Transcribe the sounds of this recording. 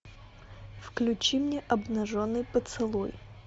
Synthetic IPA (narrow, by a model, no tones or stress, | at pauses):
fklʲʉt͡ɕimnʲeʔɐbnɐʐonːɨjpət̪sɨlˠoj